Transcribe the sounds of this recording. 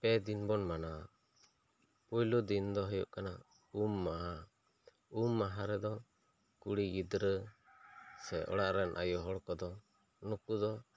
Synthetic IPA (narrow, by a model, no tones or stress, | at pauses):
pɛd̪inbɔnmana | pujlud̪ind̪ɔɦɔjṵʔkana | umːaɦa | umːaɦaɾɛd̪ɔ | kuɽiɡid̪ɾə | sɛʔɔ̰ɽaʔɾɛnʔa̰jɔɦɔɽkɔd̪ɔ | nukud̪ɔ